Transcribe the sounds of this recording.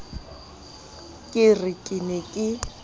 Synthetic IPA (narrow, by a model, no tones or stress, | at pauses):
kʼɪrɪkʼɪnɪkʼɪ